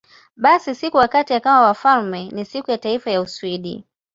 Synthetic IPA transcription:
ɓasisikuwakatijakawawafalmɛnisikujataifajausuiɗḭ

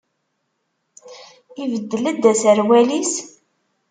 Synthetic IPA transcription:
ivəd̪ːəlæd̪ːæsəɾwælis

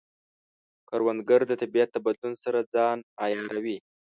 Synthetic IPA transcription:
kaɾwand̪ɡaɾd̪ət̪abijat̪̚d̪əbad̪lunsaɾad͡zɑnɑjɑɾawi

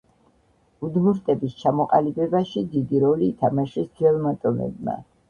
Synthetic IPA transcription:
ud̪muɾt̪ʼɛbist͡ʃʰamɔqʼa̰libɛbaʃid̪id̪iɾɔliːt̪ʰamaʃɛsd̪vɛlˠmat̪ʼɔmɛ̰bma̰

